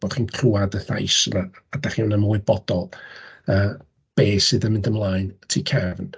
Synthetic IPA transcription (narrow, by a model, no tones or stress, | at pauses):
ɔd̥χiːnkʰruadəθa̰jsənaːdaχiwnəmuːɨbɔd̥ɔlˠəː | b̥eːsɨðəmɪndəmlˠaːjntʰiːkʰɛvn